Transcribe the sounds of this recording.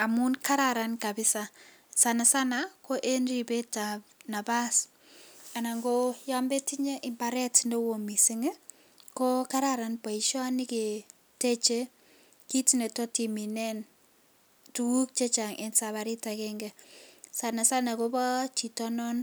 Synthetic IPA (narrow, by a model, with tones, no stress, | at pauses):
a˨mu˦nka˦ɾaɾa˨nka˨bɪ˦sa˦ | sa˨na˨sa˦na˨ko˦ʔe˦nri˨be˦ta˨na˨ba˦s | a˨na˨ŋɡo˦ja˦mbe˦ti˦ɲe˦ʔɪ˨mba˨ɾɛ˦tndo˦wo˨mi˨si˦ŋe˦ | kɔ˦ka˦ɾa˨ɾa˨npa˨i˨ʃɔ˦nɪ˦ke˨ | te˦t͡ʃe˦ | ki˦ti˦ne˨tɔ˦ti˨mi˨nɛ˦n | tu˨u˦k̚t͡ʃe˦t͡ʃa˨ŋʔe˦nsa˨βa˨ɾi˦ta˨kɛŋɡɛ˨sa˨na˨sa˦na˨ko˦bɔ˦t͡ʃi˨tɔ˦nɔ˦n